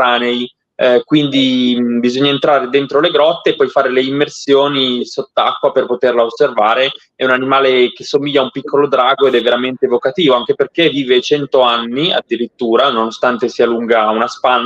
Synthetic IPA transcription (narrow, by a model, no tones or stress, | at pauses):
aːnej | kwind̪ibizoɲːaent̪ɾaːɾed̪ent̪ɾoleɡɾɔt̪ːeːpːɔjfaːɾeleimːersjoːnisot̪ːakːwaperpot̪erlaosːervaːɾe | ɛunanimaːlek̟esomilʎːaumpikʰːolod̪ɾaːɡoed̪ɛvːeɾament̪evokat̪iːvoaŋk̟eperk̟evːiːvet͡ʃɛnt̪oanːia̰d̪ːiɾit̪ːuːɾanonost̪ant̪esiːaluŋɡaunaspanː